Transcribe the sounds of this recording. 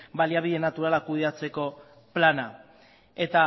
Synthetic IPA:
baliaβiðe̞nat̪uɾalakuð̞e̞at͡se̞ko̞ | plana | e̞t̪a

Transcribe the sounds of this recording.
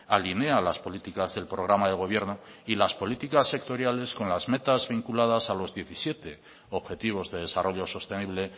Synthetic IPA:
aline̞alaspo̞lit̪ikazðe̞lpɾo̞ɣ̞ɾamaðe̞ɣ̞o̞β̞je̞ɾno̞ | ilaspo̞lit̪ikasːe̞k̚t̪o̞ɾjale̞sko̞nlazme̞t̪azβiŋkulaðasalo̞zðje̞θisje̞t̪e̞ | oβxe̞t̪iβ̞o̞zðe̞ðe̞saro̞ʎo̞so̞st̪e̞niβ̞le̞

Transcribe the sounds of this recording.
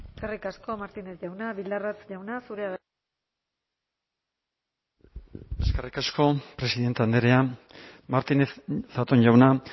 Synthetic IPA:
esskerikasko̞maɾt̪ine̞sʝawnaβild̪arat͡sʝawnasuɾe̞aɣ | e̞skerikasko̞pɾe̞siðe̞nt̪eand̪eɾeamaɾt̪ineθat̪o̞nʝawna

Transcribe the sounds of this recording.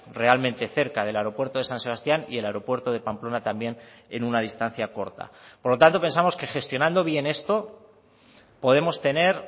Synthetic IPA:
re̞almẽnt̪e̞θe̞ɾkaðe̞laeɾo̞pwe̞ɾt̪o̞ð̞e̞sanse̞β̞ast̪janḭe̞laeɾo̞pwe̞ɾt̪oð̞e̞pamplo̞nat̪ambje̞n | e̞nunaðist̪an̟θjako̞ɾt̪a̰po̞ɾlo̞t̪ant̪o̞pe̞nsamo̞ske̞xe̞st̪jo̞nãnd̪o̞βje̞ne̞st̪o̞ | po̞ð̞e̞mo̞st̪e̞ne̞ɾ

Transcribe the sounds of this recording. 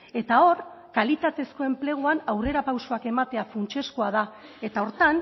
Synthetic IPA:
e̞t̪ao̞r | kalit̪at̪e̞sko̞e̞mple̞ɣ̞uanawre̞ɾapawsoake̞mat̪e̞afunt͡ʃe̞skoaðae̞t̪ao̞ɾt̪an

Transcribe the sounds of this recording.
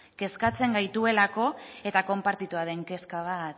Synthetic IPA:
ke̞skat͡se̞ŋɡajt̪ue̞lako̞e̞t̪ako̞mpaɾt̪it̪uað̞e̞ŋke̞skaβ̞at̪

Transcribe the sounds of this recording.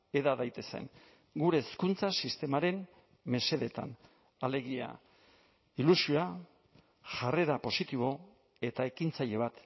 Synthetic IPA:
e̞ðaðajt̪e̞sḛŋ | ɡuɾe̞ːskunt͡sasist̪e̞maɾe̞m | me̞se̞ðe̞t̪a̰n | ale̞ɣia̰ | ilusioa | ʝare̞ɾapo̞sit̪iβ̞o̞ | e̞t̪ae̞kint͡saʎe̞β̞at̪

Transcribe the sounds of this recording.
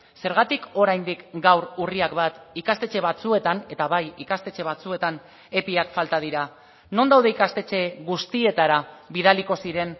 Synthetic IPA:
se̞ɾɣat̪iko̞ɾajnd̪ikɡawɾuriakbat̪ikast̪e̞t͡ʃe̞β̞at͡sue̞t̪ane̞t̪aβajikast̪e̞t͡ʃe̞βat͡sue̞t̪an | e̞piakfalt̪að̞iɾa | no̞nd̪awðe̞ikast̪e̞t͡ʃe̞ɣust̪ie̞t̪aɾaβiðaliko̞siɾe̞n

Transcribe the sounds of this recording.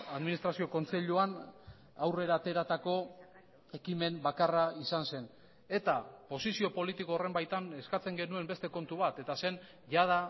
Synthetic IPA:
aðminist̪ɾasio̞ko̞nt͡se̞ʎuan | awre̞ɾaːt̪e̞ɾat̪ako̞ | e̞kime̞mbakaraisanse̞n | e̞t̪apo̞sisio̞po̞lit̪iko̞ːre̞mbajt̪ane̞skat͡se̞ŋɡenue̞mbe̞st̪e̞ko̞nt̪uβ̞at̪e̞t̪ase̞n | ʝað̞a

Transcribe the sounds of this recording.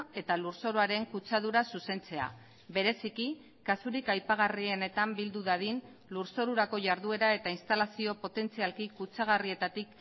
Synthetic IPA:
e̞t̪aluɾso̞ɾoaɾe̞ŋkut͡sað̞uɾasuse̞nt͡se̞a̰ | be̞ɾe̞siki | kasuɾikajpaɣ̞arie̞ne̞t̪ambild̪uðaðin | luɾso̞ɾuɾako̞ʝaɾðue̞ɾae̞t̪ainst̪alasio̞po̞t̪e̞nt͡sialkikut͡saɣ̞arie̞t̪at̪ik

